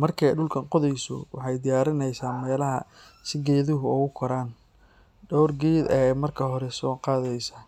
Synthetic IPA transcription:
mɐrkʰɛɖʊlkʰɐnqɔðɛjsɔ̰wɑ̰ħɑjd̪ɪjaːɾɪnɛjsaːnmɛːlɐɦɐ̰sɪɡɛːðʊɦʊɔːɣʊkʰɔɾaːn | ɖɔwrɡɛːd̪ɛmɐrkʰɐɦɔɾɛsɔːqɑːðɛjsɐ

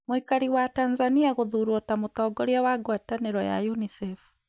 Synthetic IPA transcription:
muikaɾiwatanzaniaɣuðuɾwɔtamutɔːɡɔɾjawaɡwataneɾɔja̰junisɛfu̥

